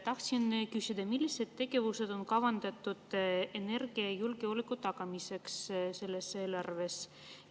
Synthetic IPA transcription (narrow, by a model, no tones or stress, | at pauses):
t̪ɑht̪sinkysid̪̥ɑmilːise̞d̪̥̚t̪e̞ɡ̥e̞vuse̞d̪̥o̞nkɑvɑnd̪̥ɑt̪ːˑud̪̥e̞ne̞rɡ̥iɑjulɡeolikːut̪ɑɡ̥ɑmise̞ksse̞lːe̞se̞ːlɑrve̞s